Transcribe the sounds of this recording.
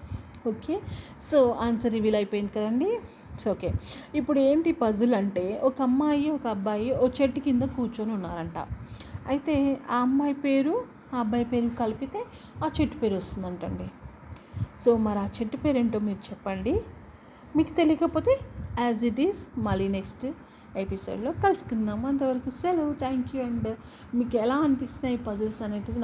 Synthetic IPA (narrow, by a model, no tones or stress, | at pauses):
oːkeː | so̞ːaːnsɐɾiʋiːlɐjpoːjind̪ikɐd̪ɐɳɖi | soːke̞ːipːuɽue̞ːmʈipɐzɐlɐɳʈe̞ːʔɔkɐmːaːjiɔkɐɐbːaːjiokɐt͡ʃeʈːikind̪ɐkuːɾt͡ʃoːnunːa̰ːɾɐɳʈa̰ːɐjit̪e̞ːaːɐmːaːjpe̞ːɾu | aɐbːaːjpe̞ːɾukɐlipit̪e̞ː | aːt͡ʃe̞ʈːu̥pe̞ːɾost̪und̪ɐɳʈɐɳɖi | so̞ːmɐɾaːt͡ʃeʈːupeːɾeɳʈo̞ːmiːɾut͡ʃɛpːɐɳɖi | miːku̥t̪e̞lijɐkɐpo̞ːt̪e̞ːæːziʈiːzmɐliːneksʈ | episo̰ːɖlo̞ːkɐlsi̥kund̪aːmɐnt̪ɐʋɐɾɐkuselut̪ʰaːŋkjuɐɳɖ | miːkɛlaːɐnipist̪inɐːjipɐzɐlsɐneːʈid̪in